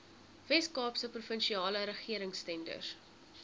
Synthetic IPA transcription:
vɛskɑːpsəprufənʃiɑːləɾəχiəɾəŋstɛndə̰r

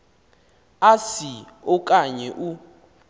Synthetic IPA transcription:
asi | ɔkʼaɲɛʔu

